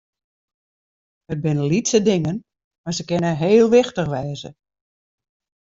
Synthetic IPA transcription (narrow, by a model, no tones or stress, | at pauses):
əd̚bɪnəlitsədɪŋən | mazəkɪnəɦeːlˠʋɪxtəxʋɛːzə̰